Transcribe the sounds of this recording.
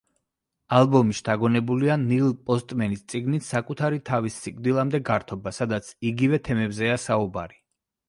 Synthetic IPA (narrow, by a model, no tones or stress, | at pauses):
alˠbɔmiʃd̪̥aɡɔnɛbulianilˠpʼɔst̪ʼmɛnist̪sʼiɡnit̪ʰsakʼut̪ʰaɾit̪ʰavisːikʼvd̪ilˠamd̪ɛɡaɾt̪ʰɔbasad̪at̪sʰiɡivɛt̪ʰɛmɛbzɛasaubaɾi